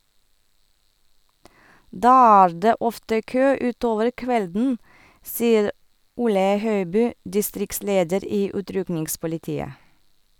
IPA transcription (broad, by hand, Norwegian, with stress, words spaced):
ˈdɑː ˈæːɹ ˈdeː ˈɔftə ˈkøː ˈʉːˌtoːʋəɾ ˈkʋɛldn̩ ˈsiːəɾ ˈʊlə ˈhœʏbyː dɪˈstɾɪkˌsleːdəɾ ˈiː ˈʉːtɾʉknɪŋspʊlɪˌtiːə